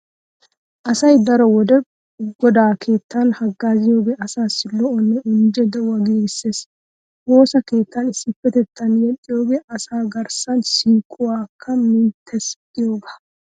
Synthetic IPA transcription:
ʔɐsɐjd̪ɐɾɔwɔd̪ɛ | ɡɔd̪aːkʰe̞ːt̪ːɐnhɐɡːaːzɪjo̞ːɡeːʔɐsaːsːɪlɔʔɔnːɛʊnd͡ʒɛd̪ɐwɐɡeːɡɪsːe̞ːs | wo̞ːsɐke̞ːt̪ːɐnɪsːɪpːɛt̪ɛt̪ːɐnjɛt̪ʼːɪjo̞ːɡe̞ːʔɐsaːɡɐɾsɐnsiːkʼːʊwaːkʰːɐmɪnt̪ʰːɛst̪ʼːɪjo̞ːɡaː

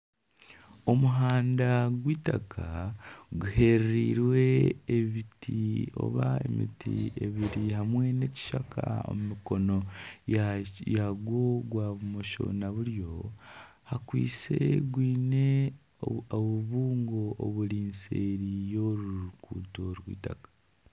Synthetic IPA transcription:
o̞muɦaːndaɡwiːtakʰaɡuhe̞ɾɾiːɾwe̞ːβitio̞̰βaemḭtḭeβiɾiɦamwe̞ne̞ci̥ʃakʰa̰o̞̰mumiko̞no̞ | jaɡwoɡwaːβumoʃo̞̰naβuɾjo̞ | hakwḭːt͡se̞̰ɡwiːne̞ | oβuβuːŋɡo̞ʔːβuɾiːnseɾijo̞ɾuuɾukuːto̞ɾwḭːtakḁ

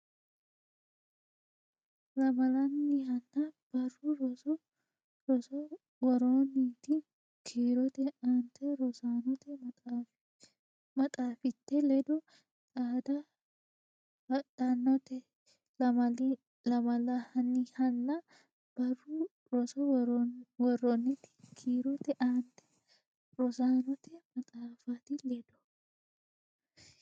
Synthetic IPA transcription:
lɐmɐlɐnːɪhɐnːɐb̥ɐrʊɾɔ | ɾɔsɔ | wɐɾoːniːt̪ɪ | kʰeːɾɔt̪ɛɐnt̪ʰɛɾɔsaːnɔt̪ɛ | mɐt̪ʼaːfɪt̪ːɛlɛd̪ɔ | t͡sʼaːd̪ɐ | d̪anːɔt̪ɛ | lɐmɐ | lɐmɐlahɐnːihɐnːɐ | b̥ɐrːuː | ɾɔsɔ | wɔrːɔnːɪt̪ːɪ̥kʰiːɾɔt̪ɛʔaːnt̪ɛ̥ | ɾɔsaːnɔt̪ɛmɐt̪ʼaːfaːt̪ɪlɛd̪ɔ̥

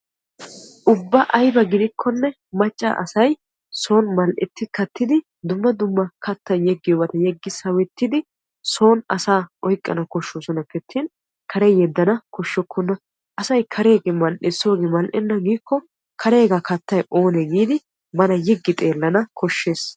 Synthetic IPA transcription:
ʔʊbːɐʔɐjbɐɡɪd̪ɪkʰːɔnːɛ | mɐt͡ʃʼːa̰ːʔɐ̰sɐj | so̞ːnmɐlʔɛ̰t̪ːɪkɐt̪ːɪd̪ɪ | d̪ʊmːɐd̪ʊmːɐkɐt̪ːɐjjɛɡːɪjɔːbɐt̪ɐjɛɡːɪsɐwɛt̪ːɪd̪ɪ | so̞ːnɐ̰saːʔɔjkʼːɐ̰nɐkɔʃːoːsɔnɐpɛt̪ʰːin | kʰɐɾɛjjɛd̪ːɐnɐkɔʃːɔkʰːɔnːɐ | ʔɐsɐjkʰɐɾe̞ːɡeːmɐlʔɛso̞ːɡemɐlʔɛnːɐɡiːkʰːɔ | kʰɐɾe̞ːɡakɐt̪ːɐjʔo̞ːneɡiːd̪ɪ | mɐnɐjɛɡːɪt̪ʼe̞ːlːɐnɐkʰɔʃːe̞ːs

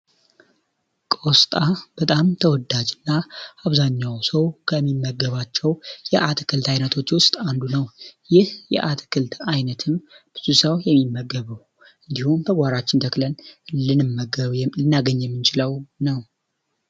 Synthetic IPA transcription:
kʼost̪ʼab̥ət̪ʼamt̪ʰəwɔd̪ad͡ʒɨnːaʔaβzaɲːawsəwkʰəmːimːəɡːəβat͡ʃːɛwjɛʔat̪ʰkʰɨlt̪ʰajnət̪ʰo̞t͡ʃːwʊst̪ʼand̪unəwjɪhjɛ̰ʔat̪ʰkʰɨlt̪ʰajnət̪ʰɨmb̥ɨzʰusəwjɛmːimːəɡəβəw | ʔɨnd̪ihumt̪ʰəɡʷaɾat͡ʃːɪnt̪ʰəklənɨnɨmːəɡəlɨnːaɡəɲːjɛmːɨnt͡ʃʰɪləwnəw

